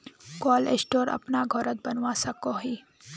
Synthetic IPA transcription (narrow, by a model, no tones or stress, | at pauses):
koːlḛsʈoːɾɐ̰pnaɡʱɔɾət̪̚bɐnwasɐkoɦiː